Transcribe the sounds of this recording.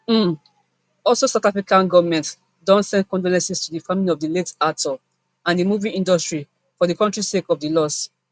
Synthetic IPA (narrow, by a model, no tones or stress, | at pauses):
m̩ | ɔlsosaʊtafɹikãnɡɔvmɛ̃nt | dɔ̃ntsɛ̃nd̚kɔ̃ndolɛ̃nsistudifamiliɔvdiletatʰɔ | ãndimuvĩnĩndɔstɹi | fɔðikɔ̃ntɹisekɔvdilɔs